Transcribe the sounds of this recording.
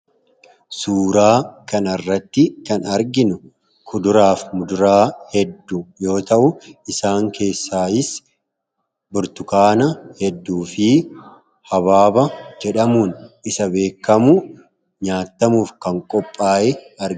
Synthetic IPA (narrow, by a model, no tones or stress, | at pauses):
suːɾaːkɐnɐrːɐt̪ːɪkɐnɐɾɡɪnʊ | kʰʊd̪ʊɾaːfmʊd̪ʊɾaːhɛd̪ːujo̞ːt̪ɐʔʊɪsaːŋkʰe̞ːsːaːɪs | bʊɾt̪ʊkaːnɐhɛd̪ːuːfɪ | hɐβaːbɐd͡ʒɛᶑɐmuːnɪsɐbe̞ːkːɐmʊ | ɲaːt̪ːɐmuːfkɐŋkʼɔpʼːaːʔɛɐɾ